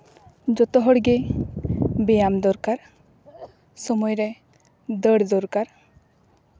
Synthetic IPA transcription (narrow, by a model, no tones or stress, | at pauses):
d͡ʒɔt̪ɔɦɔɽɡe | bɛjamd̪ɔɾkaɾ | sɔmɔjɾɛ | d̪əɽd̪ɔɾkaɾ